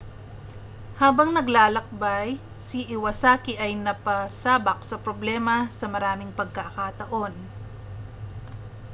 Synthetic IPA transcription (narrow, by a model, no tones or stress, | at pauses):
haːbɐŋnɐɡlaːlɐk̚baj | siʔɪwɐsaːkɪʔɐjnɐpɐsaːbɐk̚sɐpɾoblɛːmɐsɐmɐɾaːmɪŋpɐɡ̚kakat̪ɐʔo̞n